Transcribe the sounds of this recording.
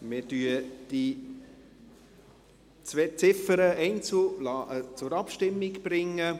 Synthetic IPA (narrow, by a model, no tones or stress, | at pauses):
mɪɾdyəd̥i | t͡sveːt͡sɪfəɾəɛɪnt͡sulɑʔət͡sʊɾɑpʃtɪmːiɡb̥ɾɪŋːə